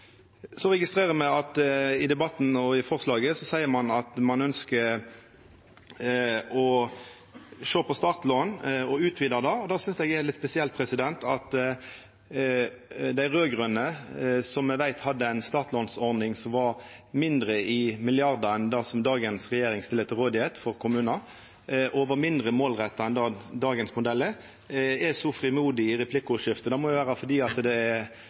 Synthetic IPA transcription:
sɔɾɛɡɪst̪ɾeːʁəmæɪɑt̪ɪd̪ɛbɑt̪ːn̩ɔɪfɔʁslɑːɡəsɔsæɪəmɑnɑt̪mɑnœnskə | ɔ | ʃoːpʰɔst̪ɑːʁt̪loːnɔʉːt̪ʰʋiːd̪ɑd̪ɑːɔd̪ɑːsʏnsɛɡɛɾlɪt̪spɛsɪɛlt̪̚pʰʁɛsɪd̪ɛnt̪ʰɑt̪ | d̪æɪʁøːɡʁœnːəsɔmɛʋæɪt̪hɑd̪ːəæɪnst̪ɑːt̪ʰlɔnsɔɾd̪ɪŋsɔmʋɑɾmɪnd̪ɾəɪmɪlɪɑɾd̪əɾɛnd̪ɑːsɔmd̪ɑːɡənsɾɛjeːɾɪŋst̪ɪlət̪ɪʁoːd̪ɪheːt̪fɔɾkʰʊmʉːnɑ | ʔɔʋəmɪnd̪ʁəmoːlʁɛt̪ːɑɛnd̪ɑːd̪ɑːɡənsmʊd̪ɛlːə | ɛsɔfɾɪmuːd̪ɪɪɾɛpʰlɪkːʊʂɪft̪əd̪ɑmɔʊʋæːʁəfɔd̪iːɑt̪d̪ɛɛ

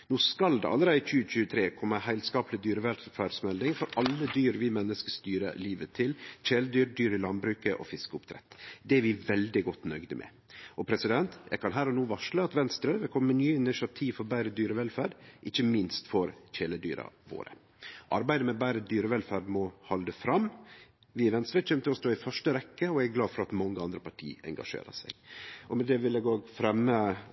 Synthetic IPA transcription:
nuːskɑld̪ɛ̰ɑ̰lːəɾɛc͡çʉːəc͡çʉːət̪ʰɾeːkʰɔmːəhæɪlskɑːplɪd̪yːɾəʋɛlfæːɖsmɛld̪ɪŋfɔɾɑlːəd̪yːɾʋɪmɛnːəskəst̪yːɾə̰liːʋət̪ʰɪlçeːləd̪yːɾɖyːɾɪlɑnbɾʉːkəʔɔ̰fɪskəʊpt̪ʰɾɛ̰t̪ːd̪ɛɾʋɪʋɛld̪ɪɡɔt̪ːnœɡd̪əmʔɛ̰ | ʔɔpʰɾɛsɪd̪ɛnt̪jæ̰ɪkʰɑnɦæːɾɔnuːʋɑʂləɑt̪ʋɛnst̪ɾəʋɪkʰɔmːənyːəɪnɪʃɑt̪ʰiːʋfɔɾbæɪɾəd̪yːɾəʋɛlfæːɖʔɪçːəmɪnst̪fɔɾçeːləd̪yːɾɑ̰ʋo̰ːɾə̰ | ʔɑɾbæɪd̪əmɛbæɪɾəd̪yːɾəʋɛlfæːɖmɔhɑld̪əfɾɑm | ʋɪʋɛnst̪ɾəc͡çʰøːmt̪əɔst̪oːɪfœʂʈəɾɛkːəɔæɡæɡlɑːd̪fɔɾɑt̪mɑŋːəɑnd̪ɾəpɑʈʰḭːɛ̰ŋɡɑ̰ʂḛːɾə̰sæ̰ɪɡʔɔmɛd̪ɛʋɪlɛɡoːɡfɾɛmːə

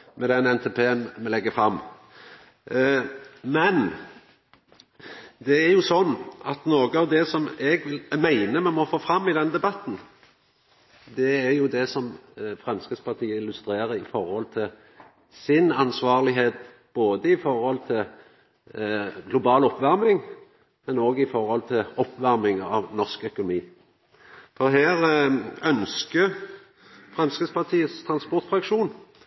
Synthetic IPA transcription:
mɛd̪ɛnɛnt̪ʰɛpʰeːənmɛlɛɡːəfɾɑmː | mɛn | d̪ɛæɾjʊsɔnːʔɑt̪noːɡəɑʋd̪ɛsɔmɛɡʋɪlmæɪnəmɛmɔfoːfɾɑmːɪd̪ɛnd̪ɛbɑt̪ːn̩ | d̪ɛæɾjʊd̪ɛsɔmfʁɛmskət̪spʰɑʁt̪ʰiːəɪlːʉst̪ɾeːɾəɾɪfɔɾhɔlt̪ʰɪl | sɪnɑnsʋɑːʁlɪɦeːt̪̚ | b̥oːd̪əɪfɔɾhɔlt̪ʰɪl | ɡlʊbɑːlɔpːʋæʁmɪŋ | mɛnoːɡɪfɔʁhɔlt̪ʰɪlɔpːʋæʁmɪŋɑʋnɔʁskœkʊnʊmiː | fɔʁɦæːɾœnskə | fʁɛmskəspʰɑʁt̪ʰiːət̪st̪ʰɾɑnspɔʁt̪fʁɑkʂuːn

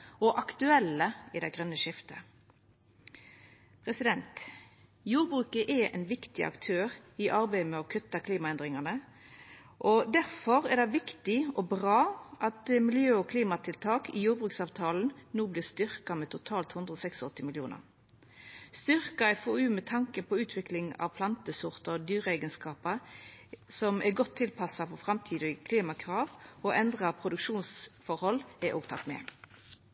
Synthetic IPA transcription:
ɔʔɑkt̪ʉɛlːəɪd̪æɪɡʁœnːəʃɪft̪ə | pʰʁɛsɪd̪ɛnt̪ | juːʁbʁʉːkəʔɛʔɛ̰nʋɪkt̪ɪʔɑ̰kt̪ʰøːʁɪʔɑʁbæɪmɛɔkʰʉt̪ːɑkʰliːmɑɛnd̪ʁɪŋɑnə | ʔɔd̪æʁfɔʁɛd̪ɑɪʋɪkt̪ɪɔbʁɑːʔɑt̪mɪljøːɔkʰliːmɑt̪ʰɪlt̪ʰɑːkʰɪ̰juːɾbʁʉːksɑːʋt̪ʰɑːln̩nuːblɪːʁst̪ʏʁkɑmɛt̪ʰʊt̪ʰɑːlt̪hʉnd̪ʁəɔsɛksɔɔt̪ːɪmɪljṵːnə̰ʁ | st̪ʏʁkɑɛfoːʉːmɛt̪ʰɑŋkəpʰɔʉːt̪ʰʋɪklɪŋɑ̰ʋpʰlɑnt̪əsʊʁt̪əd̪yːʁəæɪɡənskɑːpə | sɔmʔɛɡɔt̪ʰːɪlpʰɑsɑpɔfʁɑmt̪ʰiːd̪ɪkʰliːmɑkʰʁɑːʋɔʔɛnd̪ʁɑpʰʁʊd̪ʉkʂuːnsfɔɾhɔlɛʔo̰ːɡ̚t̪ʰɑ̰t̪mɛ̰

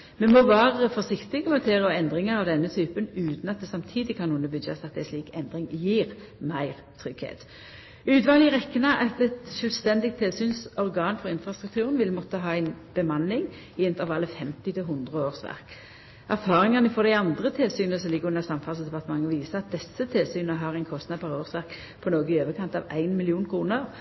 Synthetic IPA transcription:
mɛnmoːʋæːʁəfɔsɪkt̪ɪmɔt̪ʰeːʁəɔɛnd̪ʁɪŋəʁɑʋd̪ɛnːət̪ʰyːpənʉːt̪nɑt̪̚d̪ɛsɑmt̪ʰiːd̪ɪkʰɑnuːənəbʉjɑ̰sɑt̪d̪æɪsliːkɛnd̪ʁɪŋjiːʁ | mæɪʁt̪ʰʁʏɡ̥hḛːt̪ | ʉːd̪ʋɑːlɪʁɛkːənɑʔɑt̪ɛt̪ʃœlst̪ɛnd̪ɪɡ̚t̪ʰɪlsyːnsɔʁɡɑːnfɔʁɪnfʁɑst̪ʁʉkt̪ʰʉːʁənʋɪlmɔt̪ːəɦɑːæɪnb̥əmɑnːɪŋ | ɪɛnt̪əʁʋɑlːəfɛmt̪ɪt̪ʰɪlɦʊnd̪ʁəoːʁsʋæ̰ʁk | æʁfɑːʁɪŋɑnəfɔʁd̪æɪɑnd̪ʁət̪ʰɪlsyːnəsɔlɪɡəʁʉnəsɑmfɑlsd̪ɛpɑʁt̪əmɑŋːəʋiːsəʁɑt̪̚d̪ɛsːət̪ʰɪlsyːnəɦɑʁæɪnkʰɔst̪nɑd̪̚pʰɑʁoːʁsʋæʁk | pʰɔnoːɡəɪøːʋəkʰɑnt̪ɑ̰ʋæ̰ɪnmɪlɪuːnkʰɾuːnəʁ

